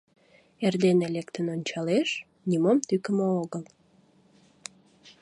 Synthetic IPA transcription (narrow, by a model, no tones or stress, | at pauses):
erd̪enelekt̪ənonʲt͡ɕɑleʃ | nimomt̪ykəmooɣəl